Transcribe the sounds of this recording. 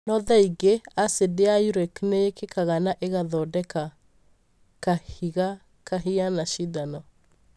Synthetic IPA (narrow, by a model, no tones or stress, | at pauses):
nɔðaiɡeasedeajuɾɛkneekekaɣanaʔeɣaðɔdɛka | kahiɣa | kaɦianaʃiðanɔ